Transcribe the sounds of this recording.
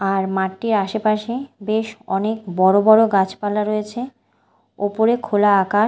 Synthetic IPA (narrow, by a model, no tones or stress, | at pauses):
aɾmaʈːiɾaʃepaʃebeʃɔnekbɔɾobɔɾoɡat͡ɕpalaɾojet͡ɕʰe | opoɾekʰolaaka